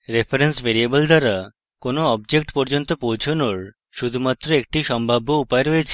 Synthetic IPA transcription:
ɾefʰeɾensbeɾiebold̪ʱaɾa | konoɔb̚d͡ʑek̚ʈpɔɾd͡ʑont̪opowt͡ɕʰonoɾ | ʃud̪ʱumat̪ːɾoek̚ʈiʃɔmbʱabːoupaeɾɔet͡ɕʰe̥

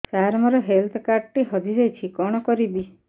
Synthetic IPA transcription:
saɾmɔɾɔɦelt̪ʰɔkaɾɖʈiɦɔd̪ʱid͡ʒajt͡ʃʰikɔɽ̃ɔkɔɾibi

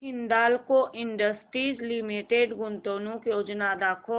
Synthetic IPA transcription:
ɪ̃nd̪aːlkoʔɪɳɖəsʈɾiːzlimiʈeɖɡʊnt̪oːnũkjoːd͡ʒnad̪aːkʰo

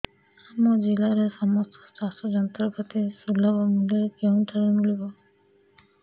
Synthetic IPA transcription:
amɔd͡ʒilaɾesɔmɔst̪ɔ̥stasɔd͡ʒɔnt̪ɾɔpʰat̪isulabɔmuleɾkɔwtʰaɾemulibɔ

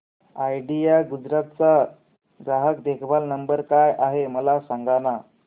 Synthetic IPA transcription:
ajɖiaɡud͡zɾat̪̚t͡sa | ɡɾaɦəkd̪ekʰbalnəmbəɾkajʔaɦeməlasaŋɡana

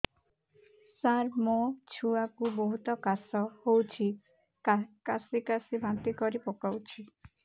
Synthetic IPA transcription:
saɾmot͡ʃʰuakuboɦut̪ɔkasɔhowt͡ʃʰi | kasikasibant̪ikɔɾipokawt͡ʃʰi

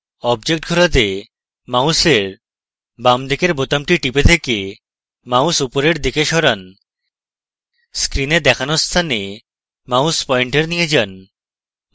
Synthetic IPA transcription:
ɔbd͡ʑek̚ʈɡʱoɾat̪e | mawseɾ | bamd̪ʱikeɾbot̪amʈiʈipet̪ʰeke | mausupoɾeɾd̪ikeʃɔɾan | skɾined̪ɛkʰanost̪ʰane | mauspɔiɳʈeɾnijed͡ʑan

